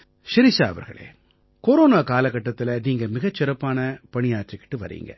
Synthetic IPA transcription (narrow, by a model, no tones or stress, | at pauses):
ʃɪɾɪsa̰ːɐʋɐɾɣɐ̰ɭḛː | koɾoːnaːkaːlɐkːɐʈːɐt̪ːɪlɐniːŋɡɐmɪɣɐt͡ʃːɪɾɐpːaːnɐpɐɳɪjaːʈrɪkːɪ̥ʈːɯʋɐɾḭːŋɡɐ̰